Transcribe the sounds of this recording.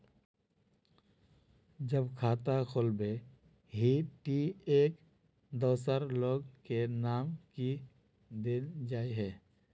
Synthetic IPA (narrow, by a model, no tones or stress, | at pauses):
d͡ʒəbkʰaːt̪akʰoːlbe | ɦiʈieːk | d̪ɔːsəɾloːɡkenaːmki | d̪eːnd͡ʒaːeɦɛː